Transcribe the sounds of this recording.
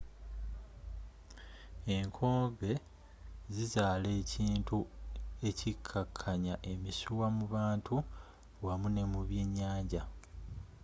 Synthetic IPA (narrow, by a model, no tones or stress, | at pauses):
e̞ŋkʰo̞ːmbe̞ | zizaːle̞ːciːntue̞cikʰːakʰːaɲaʔe̞misuwamuβaːntu | wamune̞muβje̞ːɲːaːɲɟa